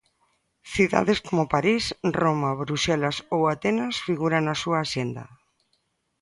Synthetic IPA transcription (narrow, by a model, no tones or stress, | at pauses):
θiða̰ðeskomopaɾisromaβɾusɛlasowat̪enasfiɣuɾanasuaːʃend̪a̰